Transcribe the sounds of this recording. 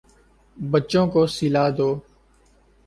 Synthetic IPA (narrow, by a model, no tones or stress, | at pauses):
bət͡ʃõːkoːsilaːd̪oː